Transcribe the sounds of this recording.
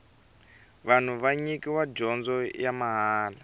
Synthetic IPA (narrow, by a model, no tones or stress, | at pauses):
βan̤uβaɲikiwad͡ʒɔnd͡zɔjamaɦaːla